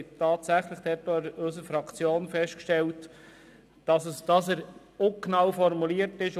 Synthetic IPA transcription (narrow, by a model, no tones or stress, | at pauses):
tʰɑːtsæχləχd̥ɛtɔɾɵsəfɾɑkt͡sjoːnfɛʃtkʃtɛlt | d̥ɑsəsd̥ɑsəɾ | oknɑwfɔɾmuliəɾtɪʃ